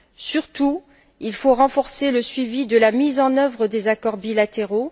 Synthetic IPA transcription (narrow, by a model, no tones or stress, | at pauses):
syʁt̪u | ilfoʁɑ̃fɔʁseləsɥivid̪əlamizɑ̃nœvʁəd̪ezakɔʁbilat̪eʁo